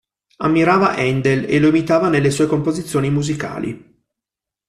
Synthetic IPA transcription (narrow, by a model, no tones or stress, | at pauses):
amːiɾaːvaʔɛnd̪eleloemit̪aːvanelːesuːekompozit̪sːjoːnimuzika̰ːlḭ